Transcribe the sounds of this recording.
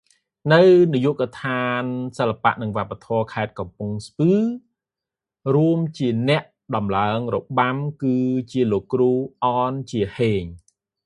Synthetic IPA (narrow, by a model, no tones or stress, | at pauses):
nɨwnijuʔkt̪ʰaːnsəlːapa̰ʔnɨŋʋŏəpːat̪ʰɔəkʰaɛt̪̚kɑmpuŋspɨː | ruəmt͡ɕiənɛ̆əʔ | ɗɑmlaəŋroɓamkɨːt͡ɕiəloːkːruːʔɑːnt͡ɕiəheːɲ